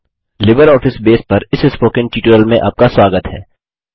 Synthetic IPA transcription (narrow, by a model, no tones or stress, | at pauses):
lɪbəɾɔːfɪsbeːspɐɾɪsɪspoːkɪ̃nʈiːʈəɾəlmẽʔa̰ːp̚kaswaːɡət̪ɦɛ̰ː